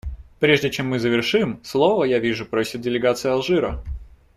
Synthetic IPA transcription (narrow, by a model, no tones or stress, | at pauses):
pɾʲeʐdʲɪt͡ɕemːɨzəvʲɪrʂɨmslˠovəjavʲiʐʊpɾosʲɪt̪̚dʲɪlʲɪɡat̪sɨjəɐlˠʐɨɾə